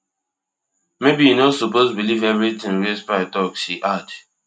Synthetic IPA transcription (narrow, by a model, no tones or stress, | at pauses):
mebiinosupozbilivɛvɹit̪ɪ̃ŋɹespaɪtɔksiʔad